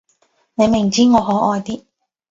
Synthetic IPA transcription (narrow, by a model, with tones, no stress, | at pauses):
ne˨˧jmɪ˨˩ŋt͡siː˥ŋɔː˨˧ɦɔː˨˥ʔɔː˧jt̪iː˥